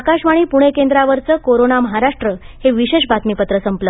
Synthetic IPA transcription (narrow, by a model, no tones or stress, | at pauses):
akaɕʋaɽ̃iːpuɽ̃ekend̪ɾaʋəɾt͡səːkoɾonaməɦaɾaʂʈɾə | heʋiɕeɕbat̪mipət̪ɾəsəmplə